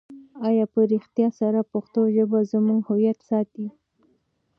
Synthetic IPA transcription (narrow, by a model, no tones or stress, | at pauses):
ɑjɑpəɾixt̪jɑsaɾapʊxt̪oʒəbazəmuŋɡhʊwjat̪sɑt̪i